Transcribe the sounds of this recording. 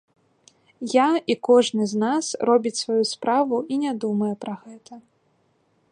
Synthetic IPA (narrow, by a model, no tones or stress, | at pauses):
jaikɔʐnɨznasrɔbʲit͡sʲsvajuspɾavuinʲad̪umɐjɛpɾɐɣɛt̪ʰɐ